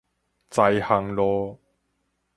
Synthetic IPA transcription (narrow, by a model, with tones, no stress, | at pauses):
t͡sɐ˧jhɐ˨˩ŋlɔː˧